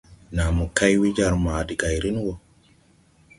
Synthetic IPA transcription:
na˨mu˨ka˦jwi˦d͡ʒa˨ɾmaː˨di˨ɡa˨jɾi˦n˦wo˨

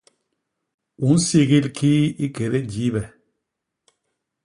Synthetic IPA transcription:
u˨˦n̩˦si˦ɣi˦lkʰi˦i˦ke˨ɾe˦d͡ʒi˨˦βɛ˨

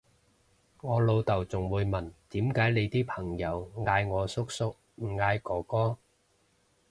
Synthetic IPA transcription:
ŋɔː˨˧lo˧wt̪ɐ˨˩wt͡sʊ˨˩ŋwuː˨˧jmɐ˨˩nt̪iː˨˥mkaː˨˥jle˨˧jt̪iː˥pʰɐ˨˩ŋjɐ˨˧wŋaː˧jŋɔː˨˧sʊ˥k̚sʊ˥k̚ | m̩˨˩ŋaː˧jkɔː˨˥kɔː˥

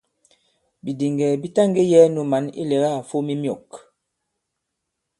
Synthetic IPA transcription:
bi˨di˨ŋɡɛ˨bi˦ta˦ŋɡe˦jɛ˦nu˨ma˨˦nḭ˦lɛ˨ɣa˦˨fo˦mi˦mjɔ̰˨k

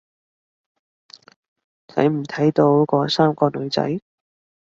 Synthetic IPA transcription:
t͡sʰɐ̰˨˥jm̩˨˩t̪ʰɐ˨˥jt̪o˨˥wkɔː˨˧˥saː˥mkɔː˧lɵ˨˧ɥt͡sɐ̰˨˥j

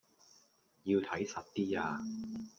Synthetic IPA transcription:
ji˧wt̪ʰɐ˨˥jsɐ˨t̚t̪iː˥aː˧

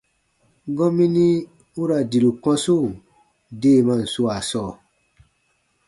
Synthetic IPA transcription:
ɡɔ̃˦mĩ˦nĩ˦ | u˦ɾa˨di˨ɾu˨kɔ̃˦so˦˨ | de˦˨mã˧˨n̩˨su˦a˨sɔː˦˨

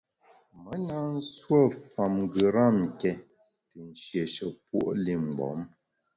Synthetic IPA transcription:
mə˨˦na˦n̩˦swə˦˨fa˨mŋɡɯ˨ɾa˦˨ŋ̩˨kɛ˦ | tɨ˨n̩˨ʃje˨ʃə˨pwo̰˦ʔli˦˨m̩˨ɡ͡bɔ̰˨˦m

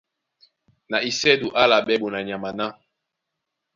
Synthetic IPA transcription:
na˨i˨sɛ˦du˨ʔa˦la˨ɓɛ˦bu˨na˨ɲ˨a˨ma˨na˦

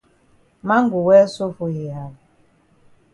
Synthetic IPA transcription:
ma˦ŋ̩˦ɡu˨wɛː˦so˦fu˦hi˨ɦa˨l

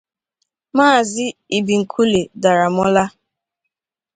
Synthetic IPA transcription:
maː˦˨zɪ˦i˨bi˨ŋ̩˨kʰu˦le˨da˨ɾa˨m˦ɔ˦la˦

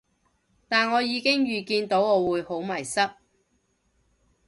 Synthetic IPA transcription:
t̪aː˨nŋɔː˨˧jiː˨˧kɪ˥ŋjyː˨kiː˧nt̪o˨˥wɔː˨˧wuː˨˧jho˨˥wmɐ˨˩jsɐ˥t̚

